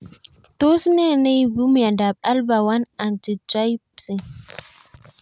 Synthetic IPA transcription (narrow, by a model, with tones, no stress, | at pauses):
to˦si˦ne˦˨ne˦jbu˦m˦ja˨nda˨b̚a˦lba˨wa˦na˨nti˨d͡ʒa˦j | si˨